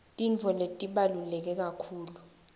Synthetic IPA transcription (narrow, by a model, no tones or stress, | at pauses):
tʼiɱvʱɔletʼiɓalulɛk̬ɛk̬akʰuːlu